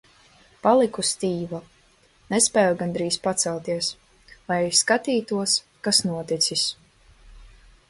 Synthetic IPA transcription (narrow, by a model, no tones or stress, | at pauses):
palˠikust̪iːva | nespɛːjuɡand̪ɾiːspat̪sɛlˠt̪iɛs | lajɛjskat̪iːt̪uɔs | kasnuɔt̪it̪sis